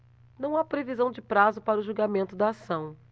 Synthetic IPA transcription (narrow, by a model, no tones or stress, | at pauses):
nɐ̃w̃apɾevizɐ̃w̃d͡ʒɪpɾazʊpaɾɐʊʒuɡamẽnt̪ʊd̪aːsɐ̃w̃